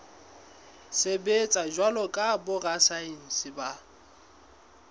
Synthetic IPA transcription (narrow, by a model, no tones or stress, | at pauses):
sebet͡sʼad͡ʒwalɔkʼabʊrasaen̩sɪba